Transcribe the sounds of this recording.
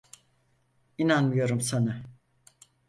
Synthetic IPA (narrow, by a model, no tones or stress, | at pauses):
inanmɯjo̞ɾumsana